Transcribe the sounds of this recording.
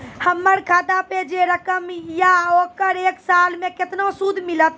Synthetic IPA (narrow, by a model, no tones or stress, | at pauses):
həmːəɾkʰad̪aped͡ʒeɾəkəmjaokəɾeksalmẽket̪nosud̪ʱmilət̪̚